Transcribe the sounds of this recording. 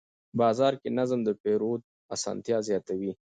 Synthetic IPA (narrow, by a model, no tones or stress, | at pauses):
bɑːzɑɾkenazmd̪əpeɾod̪̚ | asɑ̰ːnt̪jɑzjɑt̪awi